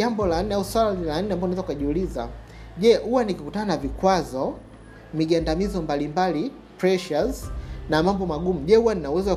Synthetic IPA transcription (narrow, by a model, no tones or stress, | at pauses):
ambɔlan̩nɛauswalalan̩nːɛambaɔnɛzakukaʄiuliza̰ | ʄɛhuwanikikutananavikwazɔ | miʄandamizɔmbalimbali | pɾɛʃaznamambɔmaɠumuʄɛhuwaninauwɛzɔwa